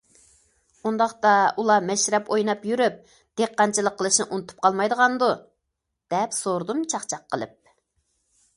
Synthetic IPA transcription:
und̪ɑχt̪ɑulˠɑmɛʃɾɛpojnɑpjyɾyp̚ | d̪̥eqːɑnt͡ʃʰilˠəqʰːəlˠɨʃnɨʔunɨt̪ʰu̥p̚qʰɑlˠmɑjd̪əʁɑnd̪u | d̪̥ɛpsoɾd̪umt͡ʃʰɑχt͡ʃʰɑqʰːəlˠɨ̰p̚

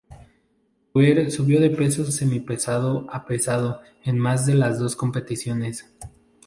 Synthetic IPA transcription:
weɾsuβjo̞ðe̞pe̞so̞semipe̞saðo̞ape̞saðo̞ | enmazðe̞lazðo̞sko̞mpe̞t̪isjo̞ne̞s

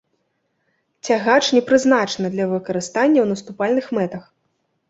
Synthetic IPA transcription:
t͡sʲaɣat͡ʂnʲɛpɾɨznat͡ʂnɐd̪lʲɐvɨkɐɾɨst̪anʲːɐwnɐst̪upalʲnɨxmɛt̪ɐx

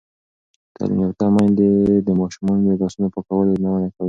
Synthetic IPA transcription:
k̪a̰l̰not̪amajnd̪ed̪əmɑʃumɑnod̪əd̪ɑsunopəkawəlenawənakawi

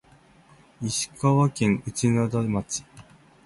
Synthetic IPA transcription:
iɕi̥kaβakẽ̞ŋɯ̟t͡ɕinad̪amat͡ɕi̥

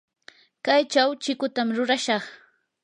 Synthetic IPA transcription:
kajt͡ʃawt͡ʃɪkʊt̪amɾʊɾaʃɑχ

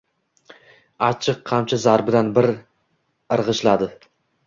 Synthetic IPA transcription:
at͡ʃʰɨqʰːɑmt͡ʃʰazaɾbɪd̪anbɪɾ | ɨɾʁɨʃlad̪ɪ

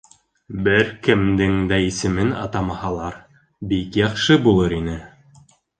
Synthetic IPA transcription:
bɘɾkɘ̆md̪ɘŋd̪æisɘ̆mɘnɑ̰t̪ɑmɑhɑlˠɑɾ | bikjɑχʃɤbulˠɤɾinɘ

